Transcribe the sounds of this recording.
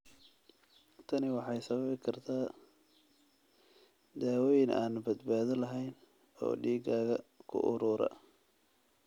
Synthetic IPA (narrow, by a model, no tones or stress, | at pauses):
t̪ʰɐnɪwɑħɑjsɐβɐβɪkʰɐrt̪ʰaː | d̪aːwɔːjɪnʔa̰ːnbɐd̪baːðɪlɐɦɛjn | ɔ̰ːɖiːɡaːɣɐkʰʊ̰ʔʊ̰ɾuːɾɐ̰